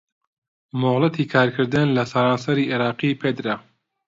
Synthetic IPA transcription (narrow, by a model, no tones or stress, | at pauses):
moɣlˠɐt̪ʰiːkʰaːɾkʰɨɾd̪ɨnlɐsɐɾaːnsɐɾiːʔeɾɑːqiːpʰeːd̪ɾɐ